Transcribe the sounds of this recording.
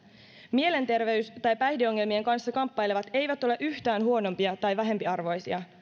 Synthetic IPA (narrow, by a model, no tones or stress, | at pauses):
mie̞le̞nt̪e̞rʋe̞yst̪ɑjpæjdeo̞ŋːelmie̞ŋkɑnsːɑkɑmpːɑjleʋɑt̪e̞jʋæt̪o̞le̞ʔyht̪æːnɦuo̞no̞mpiɑt̪ɑjʋæɦe̞mpiɑrʋo̞jsiɑ